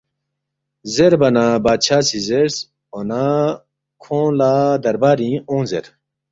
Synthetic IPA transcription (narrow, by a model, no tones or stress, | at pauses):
zeɾbɐnabaːt͡ɕʰaːsizeɾs | ona | kʰõːlaːd̪ɐɾbaːɾĩõːnzḛɾ